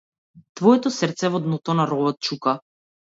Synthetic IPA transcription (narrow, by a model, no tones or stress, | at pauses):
t̪vɔɛt̪ɔsrɾt̪sɛvɔd̪nɔt̪ɔnaɾɔbɔt̪̚t͡ʃuka